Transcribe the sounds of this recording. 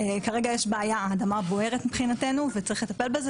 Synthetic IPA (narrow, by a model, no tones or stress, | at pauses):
ekaʁeɡajeʃbeajaːd̪amabo̞he̞ʁet̪mipχinat̪e̞nuvet͡saʁiχle̞t̪ape̞lbeze